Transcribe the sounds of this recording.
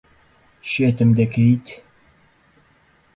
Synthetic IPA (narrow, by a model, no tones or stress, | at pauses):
ʃet̪ɨmd̪ɐkʰejt̪